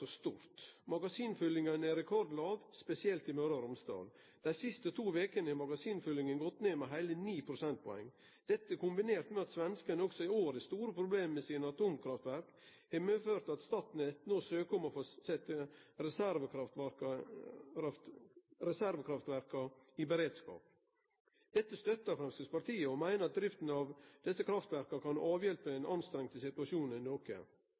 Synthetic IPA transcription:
ɔst̪uːɾt̪mɑɡɑsiːnfʏlːɪŋɑnæɾɛkʰɔɾd̪lɑːɡspɛsɪɛlt̪ɪmøɾɑɾʊmst̪ɑ̰ːl | d̪̥æɪsɪst̪ət̪ʰuːʋeːkənəɛmɑɡɑsiːnfʏlɪŋənɡɔt̪ːneːmɛɦæɪləniːpʰɾʊsɛnt̪̚pʰɔɛ̰ŋː | d̪̥ɛt̪ːəkʊmbɪneːɾt̪mɛɑt̪sʋɛnskənəɔksɔɪoːɾəst̪uːɾəpʰɾʊbleːmmɛsɪnəɑt̪uːmkʰɾɑft̪ʋæɾk | hɛməføːɾt̪ɑt̪st̪ɑːt̪n̩ɛt̪nosøːkəɔmɔfosɛt̪ːəɾɛsæɾʋəɾɑt̪k | t̪ɾɛsæɾʋəkʰɾɑft̪ʋæɾkɑɪbəɾeːd̪skɑ̰ːp | d̪̥ɛt̪ːəst̪œt̪ːəɾfɾɛmst̪əspɑt̪iːəɔmæɪnəɾɑt̪̚d̪ɾɪft̪n̩ɑʋd̪̥ɛsːəkʰɾɑft̪ʋæɾkɑkɑnɑːʋjɛlpəɛɪnʔɑnst̪ɾɛŋt̪əsɪt̪ʉʋɑʂuːnnɪnoːkə̰

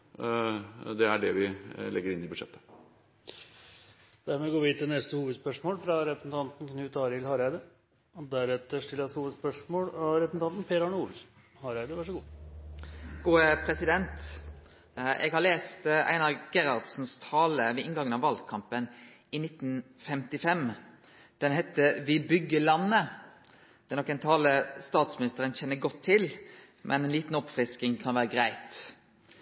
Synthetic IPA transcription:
d̪ɛæɖɛʋɪlʔɛɡːəɾɪnːɪbʉʂɛ̰t̪ʰːə̥ | d̪̥æɾmɛɡoːʋɪɪt̪ɪnɛst̪əhuːʋəd̪spœʂmoːlfɾɑɾɛpɾsn̩t̪ʰɑnt̪n̩kʰnʉːt̪ɑːɾɪlhɑɾæɪd̪ə | ɔd̪æɾɛt̪ːəʂʈɪləshuːʋəd̪spœʂmoːlɾɛpɾəsn̩ɑnt̪n̩pʰeːɾɑɳəuːls | hɑɾæɪd̪əʋɑʂ̬əɡuː | ɡ̥uːəpʰɾɛsɪd̪ɛnt̪ | ʔɛ̰ɡhɑɾleːst̪æ̰ɪnɑɡ̥ɛɾɑʁd̪sn̩st̪ʰɑːləʋɛɪŋɡɑŋənɑʋɑld̪kʰɑmpən | ɪnɪt̪ːnfɛmt̪ɪfɛm | d̪̥ɛnɦɛt̪ːəʋɪbʏɡːəlɑnːə | d̪̥ɛnɔkːɛɪnt̪ʰɑːləst̪ɑːt̪smɪnɪst̪əɾənçɛnːəɡɔt̪ʰːɪl | mʔɛ̰nɛnliːt̪n̩ɔpfɾɪskɪŋkʰɑnʋæːɾəɡɾæɪt̪

